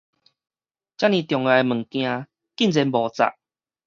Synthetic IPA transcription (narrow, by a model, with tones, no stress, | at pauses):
t͡ɕja˦nĩ˨˧˩t̪jɔ˨˩ŋa˨˧e˧mə˨˩ŋkj̃ã˧ | ki˥˨nt͡sɛ˧˦nbɔ˨˩t͡sa̰˨˩ʔ